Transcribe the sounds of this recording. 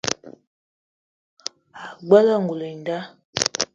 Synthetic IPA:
a˨ɡ͡ba˦la˦˨ŋɡu˨le˨n˨da˦

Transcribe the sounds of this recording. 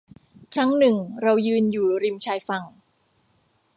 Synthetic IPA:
t͡ɕʰa˦˥ŋnɯ˨˩ŋɾa˧wjɯː˧njuː˨˩ɾi˧mt͡ɕʰaː˧jfa˧ŋ

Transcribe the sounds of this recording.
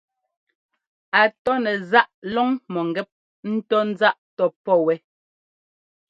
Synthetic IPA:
a˨tɔ˦nɛ˨za˦ʔlɔ˦ŋmɔ˨ŋ˨ɡɛ˦p̚ | n̩˦tɔ˦n̩˦d͡za˦ʔtɔ˦pɔ˦˨wɛ˦

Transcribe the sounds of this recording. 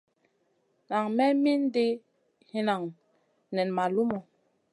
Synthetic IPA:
na˨ŋmɛ˦mi˦n˦de˦ | hi˦na˨ŋ | nɛ˨nma˨lu˦mɔ˨

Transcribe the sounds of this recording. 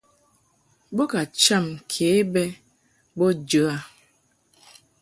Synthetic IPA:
bo˦ka˨t͡ʃa˦˨mkʰe˨˦bɛ˦ | bɔ˦d͡ʒə˨˦a˨

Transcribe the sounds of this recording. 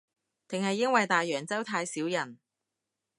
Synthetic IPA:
t̪ɪ˨ŋhɐ˨jːɐ˥ŋwɐ˨jt̪aː˨jːœː˨˩ŋt͡sɐ˥wt̪ʰaː˧jsiː˨˥wjɐ˨˩n

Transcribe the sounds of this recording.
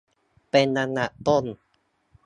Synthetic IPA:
pe˧nːa˧na˨˩ʔt̪o˥˩n

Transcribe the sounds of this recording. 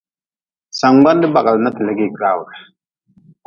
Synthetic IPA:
sa˨ŋɡ͡ba˦n˦dɪ˦ba˨ɡa˨lna˦ti˨lɛ˦ɡi˦˨ka˦˨wla˨ | k

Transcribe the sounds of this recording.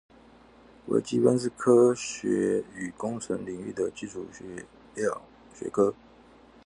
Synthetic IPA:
wḛ˧˥ɪt͡ɕi˥wə˥nsɹ̩˥˩kʰɤ˥ɕɥɛ˧˥y˨˩kʊ˥ŋt͡sʰə˧˥ŋli˨˩ŋy̰˥˩d̪ə˩t͡ɕi˥˩ʈ͡ʂʰu˨˩˧ | ɑ˥˩ | ɕɥɛ̰˧˥kʰɤ˥

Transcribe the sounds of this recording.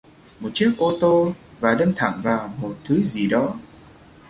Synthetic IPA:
mo˨˩t̚t͡ɕi˦˥ək̚ʔo˧t̪o˧vaː˨˩ɗə˧nt̪ʰa̰˧˨ŋvaː˨˩wmo˨˩t̚t̪ʰɨ˨˦zi˨˩ɗɔ˨˦

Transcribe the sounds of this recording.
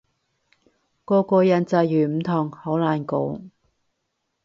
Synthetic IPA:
kɔː˧kɔː˧jɐ˨˥nt͡sɐ˧jjyː˨˩m̩˨˩t̪ʰʊː˨˩ŋho˨˥wlaː˨˩nko˨˧˥w

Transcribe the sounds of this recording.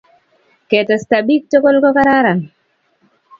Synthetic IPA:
kɛ˨tɔ˨stabi˦k̚to˦ko˦lkɔ˦ka˦ɾa˦ɾa˨n

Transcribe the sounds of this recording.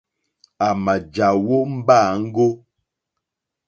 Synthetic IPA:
a˨ma˨d͡ʒa˨wo˦m̩˦ba˦˨ŋ̩˦ɡo˦

